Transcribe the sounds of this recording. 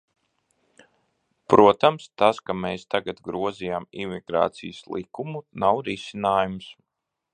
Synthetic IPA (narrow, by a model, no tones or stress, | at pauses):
pɾʔuɔt̪amst̪askameːst̪aɡat̪ɡɾuɔzijamimiɡ̥ɾa̰ːt̪sijəslˠḭkumunawɾisinaːjums